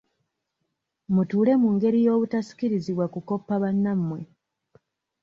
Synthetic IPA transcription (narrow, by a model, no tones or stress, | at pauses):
mutuːle̞muŋɡe̞ɾijo̞ːβutasi̥kiɾiziβwakuko̞pːaβanːamːwe̞